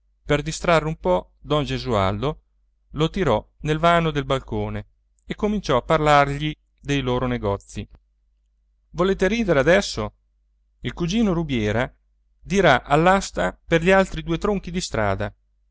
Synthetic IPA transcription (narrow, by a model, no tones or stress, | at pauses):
perd̪ist̪ɾarːeumpɔ | d̪ɔnd͡ʒezua̰ld̪o | lot̪iɾɔnelvaːnod̪elbalkoːne | ekːomint͡ʃɔapːarlarʎi | d̪ejloːɾoneɡɔt̪sːi | voleːt̪eɾiːd̪eɾead̪ɛsːo | ilkud͡ʒiːnoɾubjɛːɾa | d̪iɾaʔalːast̪aperʎialt̪ɾid̪uːet̪ɾoŋkid̪ist̪ɾa̰ːd̪a